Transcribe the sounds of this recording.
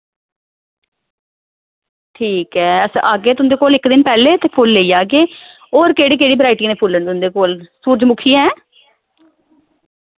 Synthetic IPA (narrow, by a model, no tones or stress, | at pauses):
ʈʰiːkɛːəsaːɡeːt̪ʊnd̪eːkoːlɪkd̪ɪnpɛːleːt̪eːpʰʊlːeiːjaːɡeː | oːɾkeːɽiːkeːɽiːbəɾaːɪʈiːneːpʰʊlːeːnd̪iʊ̃nd̪eːkoːlsuːɾd͡ʒmʊkʰiːɛ̃ː